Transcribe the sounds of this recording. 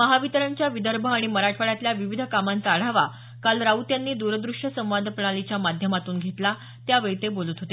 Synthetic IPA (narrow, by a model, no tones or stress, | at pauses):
məɦaʋit̪əɾəɲt͡ɕjaʋid̪əɾbʱəaɽ̃iməɾaʈʰʋəɭjat̪ljaʋiʋid̪ʱəkamant͡s̪aːɽ̤aʋa | kalɾaut̪janːiːd̪uɾəd̪ɾuʂʈəsə̃mʋad̪ʱpəɳ̃alit͡ɕjamad̪ʱjəmat̪uːnɡʱet̪la | t̪jaʋeɭt̪ebolut̪ɦot̪e